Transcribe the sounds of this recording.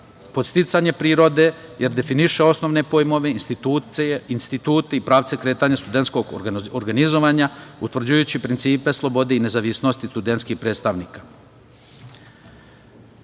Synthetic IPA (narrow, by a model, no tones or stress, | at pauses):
po̞t̪st̪it̪saɲe̞pɾiːɾo̞d̪e̞jeɾd̪e̞finiʃe̞o̞sno̞ʋne̞po̞jmo̞ʋe̞inst̪iuinst̪it̪uːt̪eipɾaːʋt̪se̞kɾe̞ːt̪aɲast̪ud̪e̞nt̪skoɡoɾɡanizo̞ʋaɲaut̪ʋr̩d͡ʑujut͡ɕipɾint̪siːpe̞slˠo̞bo̞d̪eine̞zaʋisno̞st̪ist̪ud̪ent̪skixpɾet̪st̪aʋniːkḁ